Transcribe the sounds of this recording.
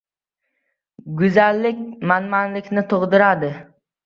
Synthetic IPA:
ɡʊzalːɪkʲmanmanlɪkʲnɪt̪ʰoʁd̪ɪɾad̪ɪ

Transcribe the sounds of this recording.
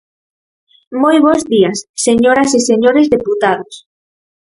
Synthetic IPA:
mojβozðiasːeɲoɾaseseɲoɾezðeput̪aðos

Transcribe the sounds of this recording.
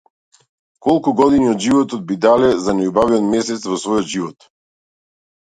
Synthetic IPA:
kɔlˠkuɡɔd̪iniɔd̪ʒivɔt̪ɔd̪̚bid̪alɛzanɛjubaviɔt̪mɛsɛt̪svɔsvɔjɔt̪ʒivɔt̪

